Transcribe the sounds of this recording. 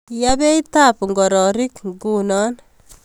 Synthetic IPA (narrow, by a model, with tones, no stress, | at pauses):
jabe˦jtapŋɡɔ˨ɾɔ˨ɾi˦kɡunɔ˦n